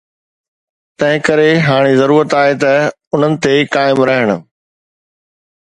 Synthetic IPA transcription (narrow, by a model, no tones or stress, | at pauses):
t̪ɐ̃ɦɪ̃kɐɾeɦaːɽ̃izɐɾuːɾət̪aːɦet̪ɐ | ʊn̤ənɪ̆t̪ekaːɪmɾɐɦɪɽ̃ʊ̆